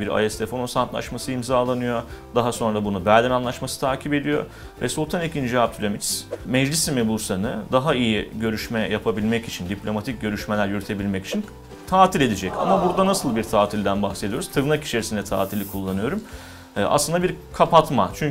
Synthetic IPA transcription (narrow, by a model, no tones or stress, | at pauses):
biɾa̰jɛst̪ʰefonosant̪lˠa̰ʃmasɯimzaːlˠanɯjo̞d̪aɦaso̞nɾabunubæɾʲd̪ɛnanlˠaʃmasɯt̪ʰaːcʰipe̞d̪ijo̞̰ | vɛsulˠt̪ʰanicind͡ʒiap̚t̪ʰylʲomit̪smɛd͡ʒlʲisimɛbuɾsanɯd̪aɦaijiɟø̞ɾyʃmɛjapʰabilʲmɛcit͡ʃʰind̪ipʰlʲo̞mat̪ʰic̚ɟø̞ɾyʃme̞lʲæɾjyɾyt̪ʰe̞bilʲmɛci̥t͡ʃʰin | t̪ʰaːt̪ʰilʲe̞d̪id͡ʒɛca̰mabuɾd̪anasɯlˠbiɾt̪ʰaːt̪ʰilʲd̪ænbaxsed̪ijo̞ɾuzt̪ʰɯvnaki̥t͡ʃʰe̞ɾisind̪ɛt̪ʰa̰ːt̪ʰilʲikʰulˠːanɯjo̞ɾum | ʔa̰slˠɯnd̪abiɾkʰapat̪mat͡ʃʰyɲ